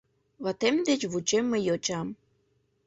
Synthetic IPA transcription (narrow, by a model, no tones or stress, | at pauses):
βɑt̪emd̪et͡ɕβut͡ɕemːəjot͡ɕɑm